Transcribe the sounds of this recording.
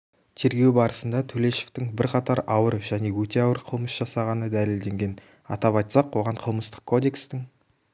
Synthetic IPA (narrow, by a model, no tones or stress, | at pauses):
t̪ʰe̞ɾɡʲe̞wbɑɾəsənd̪ɑt̪ʰɵle̞ʃe̥ft̪ɪŋbɪɾqʰɑt̪ɑɾɑwəɾʒæne̞wɵt̪e̞ɑwəɾqʰəlˠməsʒ̥ɑsɑʁɑnəd̪æleld̪e̞ŋɡʲe̞n | ɑ̰t̪ɑpɑjt̪sɑqwoʁɑɴqʰəlˠməst̪ə̥qkʰːo̞d̪e̞kst̪ɪŋ